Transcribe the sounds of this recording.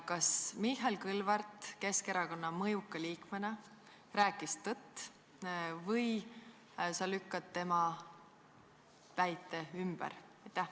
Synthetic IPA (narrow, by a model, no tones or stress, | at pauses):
kɑsmiɦelkɯlvɑrt̪ˑke̞ske̞ɾɑko̞nːɑmɤjukːɑliːkmenɑ | ræːkːˑist̪ɤt̪ːˑ | vɤj | sɑlykːɑt̪ːe̞mɑ | pæjt̪ːˑeymb̥ɛ̰ɾ | ɑjt̪ːˑæh